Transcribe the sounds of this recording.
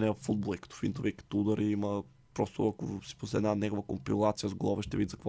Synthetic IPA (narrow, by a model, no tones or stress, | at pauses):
nɛfːud̪̚bolˠɛkə̥t̪ɔ̥fint̪ovikɐ̥t̪ɔud̪ɐɾʔiimɐ | pɾɔst̪oɐko̰si̥poslɛd̪nanɛɡovəko̰mpilˠat̪sijəzɡlˠɔvɛʃt̪ɛvid̪zɐkvɔ